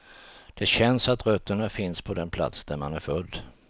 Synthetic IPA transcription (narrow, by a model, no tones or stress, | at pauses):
d̪̥ɛɕɛnsat̪ɾœt̪ːəɳafɪnspʰɔd̪ɛnpʰla̰t̪sd̪æɾmanæɾfɵlː